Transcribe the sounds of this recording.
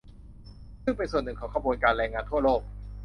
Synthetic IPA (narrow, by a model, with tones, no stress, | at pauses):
sŋpe˧nsu˨˩ənːɯ˨˩kʰɔː˩˦kʰa˧bu˧ənkaː˧nlɛː˧ŋːaː˧nt̪ʰu˥˩ɐloː˥˩k̚